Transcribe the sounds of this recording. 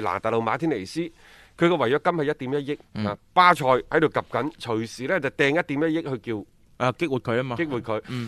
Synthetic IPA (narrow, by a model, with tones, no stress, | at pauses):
la̰ː˨˩t̪aː˨lo˨˧wmaː˨˧t̪ʰiː˥nle˨˩jsiː˥ | kʰɵ˨˧ɥkɔː˧wɐ˨˩jt͡sɔː˨˧˥kɐ˥mhɐ˨jɐ˥t̚t̪iː˨˥mjɐ˥t̚jɪ˥k̚aː˨˧paː˥t͡ʃʰɔː˧jhɐ˨˥jd̪o˨wkɐ˨p̚kɐ˨˥nt͡ʃʰɵ˨˩ɥsiː˨˩lɛː˦˥t͡sɐ˨wt̪ɛː˨˧ŋjɐ˥t̚t̪i˨˥mjɐ˥t̚jɪ˥k̚hɵ˧ɥkiː˧w | ʔa˧kɪ˥k̚wuː˨t̚kʰɵ˨˧aː˥maː˧ɪ˥k̚wuː˨t̚kʰɵ˨˧ɥ